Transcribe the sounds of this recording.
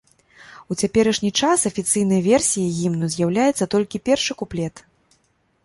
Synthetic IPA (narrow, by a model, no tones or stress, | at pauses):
ut͡sʲapʲɛɾɐʂnʲit͡ʂasɐfʲit̪sɨjn̪ɐjɐvʲɛrsʲijɐɣʲimnuzʲjawlʲajɛt̪sːɐt̪ɔlʲkʲipʲɛrʂɨkuplʲɛt̪